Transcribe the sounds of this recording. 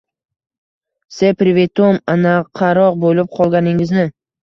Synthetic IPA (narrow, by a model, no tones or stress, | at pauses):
sepɾɪvet̪omanaqʰːɑɾɒqbolɪp̚qʰɒlˠɡʲanɪŋɪznɪ